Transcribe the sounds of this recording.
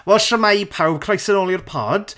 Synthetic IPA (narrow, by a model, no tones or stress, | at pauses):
wɛlˠʃəmajpʰawkʰrajsənoːlˠjɪrpʰɔ̰ːd̥